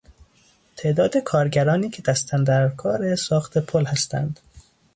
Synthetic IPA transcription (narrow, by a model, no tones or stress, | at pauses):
t̪ʰe̞ʔd̪ɒːd̪e̞kʰɒːɾɟæɾɒːniːcʰe̞d̪æst̪ʰænd̪æɾkʰɒːɾesɒːxt̪ʰepʰolhæst̪æ̰nd̪̥